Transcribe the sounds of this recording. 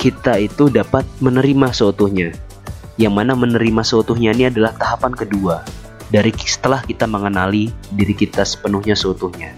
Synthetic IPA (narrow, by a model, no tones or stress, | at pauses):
kit̪ait̪udapat̪̚mənəɾimasəut̪ʊhɲa | jaŋmanamənəɾimasəut̪ʊhɲainiadalaht̪aɦapankədua | daɾisə̥t̪əlahkit̪aməŋənalidiɾikit̪asə̥pənuhɲasəut̪uhɲa